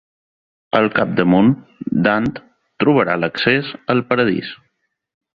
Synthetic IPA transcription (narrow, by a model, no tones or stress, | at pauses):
əlˠkap̚d̪əmond̪ant̪ | t̪ɾuβəɾaləksezəlˠpəɾəðḭs